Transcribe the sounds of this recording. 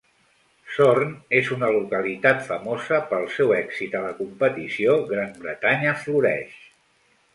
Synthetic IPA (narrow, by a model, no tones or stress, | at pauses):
sornezunəlukəlit̪at̪fəmozəpəlˠsɛwɛksit̪ələkumpət̪isioɣɾambɾət̪aɲəfluɾɛ̰ʃ